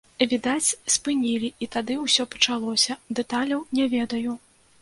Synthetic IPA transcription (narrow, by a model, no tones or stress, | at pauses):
vʲid̪at͡sʲspɨnʲilʲiit̪ad̪ɨuwsʲɔpɐ̥t͡ʂalˠɔsʲɐd̪ɛt̪alʲɐwnʲɛvʲɛd̪ɐju